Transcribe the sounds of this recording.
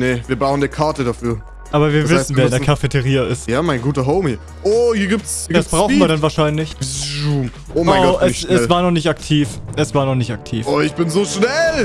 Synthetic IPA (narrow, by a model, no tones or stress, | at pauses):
nəviːɐbaʊəndikʰaɐtədafyːɐ | ʔaːbɐviːɐvɪsn̩vɛːɐɪndɛɐkʰafetʰəʁiːɐɪstjaːmaɪnɡuːtɐɦoʊmhiːɐ | ʔoːhiːɐɡiːp̚tsɡdasb̥ʁaʊn̩viːɐdanvaːɐʃaɪnlɪçuːm | ʔoːmaɪoɡɔʔɛɛɛsvaːɐnɔχnɪçtaktʰiːfʔɛsv̥aːɐnɔχnɪçtak̚tʰḭːfoːɪçb̥ɪnzoːʃnɛl